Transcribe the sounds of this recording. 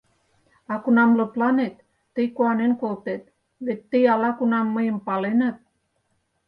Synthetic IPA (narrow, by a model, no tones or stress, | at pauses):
ɑkunɑmləplɑnet̪ː | əjkoɑnenkolt̪et̪̚ | βet̪ʲːəjɑlɑkunɑmːəjəmpɑlenət̪̚